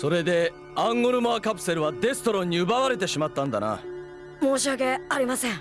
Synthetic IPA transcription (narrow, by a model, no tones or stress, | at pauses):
so̞ɾe̞d̪e̞ | ãŋɡoɾɯ̟maːkapɯ̟̥se̞ɾɯ̟βad̪e̞sɨ̥t̪oɾõ̞ɲ̟ːiɯ̟baβaɾe̞t̪e̞ɕimat̪ːãnd̪a̰na̰ | moːɕiaɡe̞aɾʲimasẽŋ